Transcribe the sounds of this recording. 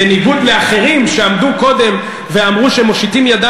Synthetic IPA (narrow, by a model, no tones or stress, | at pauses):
eniɡud̪leaχe̞ʁimʃeamd̪uko̞d̪e̞m | veamʁuʃeemoʃit̪imjad̪a